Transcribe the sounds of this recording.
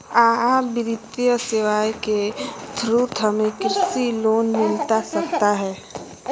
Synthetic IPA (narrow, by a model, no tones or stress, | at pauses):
aːabɪɾɪt̪ijəsɪʋaːjket̪ʰɾuːt̪ʰɦəmẽkɾɪsiloːnmɪlt̪asɐkt̪aɦɛː